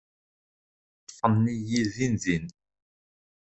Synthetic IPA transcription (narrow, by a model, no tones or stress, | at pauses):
tːfənːijiðinðin